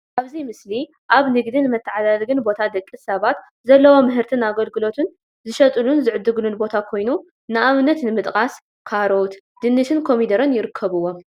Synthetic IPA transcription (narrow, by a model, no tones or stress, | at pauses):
ʔaβzijmɨsli | ʔaβnɨɡd̪inɨmɐt̪ʰːɨʕalalɡɨnbo̞t̪ʰad̪ɐkʼːisɐβat̪ | zɐlːɐwomɨɦɨɾt̪ʰɨnaɡɐlɡɨlo̞t̪ʰɨn | zɨʃɐt̪ʼɨlunzɨʕɨd̪ːɨɡɨlunbo̞t̪ʰakʰo̞jnu | nɨʔamnɐt̪nɨmɨt̪ʼkʼas | kʰaɾot̪ | d̪̥ɨnːɨt̪ɨnkʰo̞mid̪ɐɾɐnjɪɾɨkʰːɐβɨwːo̞